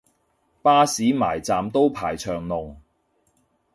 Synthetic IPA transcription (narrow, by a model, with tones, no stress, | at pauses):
paː˥siː˨˥ma̰ː˨˩jt͡saː˨mt̪o˥wpʰaː˨˩jt͡ʃʰœː˨˩ŋnlʊ˨˩ŋ